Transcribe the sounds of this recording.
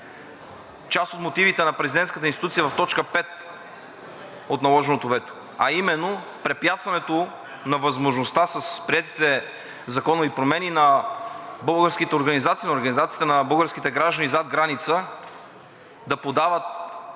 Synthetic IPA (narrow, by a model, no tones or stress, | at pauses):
t͡ʃast̪ot̪mot̪ivit̪ɛnɐpɾɛzidɛnt̪skət̪əinst̪it̪ut̪sijəvɐft̪ɔt͡ʃkəpɛt̪̚ | ot̪nɐlˠɔʒɛnot̪ovɛt̪o̥ | ɐimɛnːo | pɾɛpjat̪svɐnɛt̪o | nɐvɐzmoʒnost̪asɐspɾiɛt̪it̪ɛ | zɐkɔnovipɾomɛninɐ | bɤlˠɡəɾskit̪ɛoɾɡɐnizat̪siːnoɾɡɐnizat̪sit̪ɛnɐbɤlˠɡəɾskit̪ɛɡɾaʒd̪ənizad̪̚ɡɾanit̪sə | d̪ɐpod̪avət̪̚